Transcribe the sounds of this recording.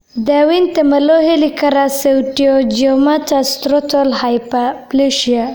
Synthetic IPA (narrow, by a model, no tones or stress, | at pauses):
d̪awint̪əmaloɦelikaɾasewʈijod͡ʒomat̪ast̪ɾot̪olhajpapliʃia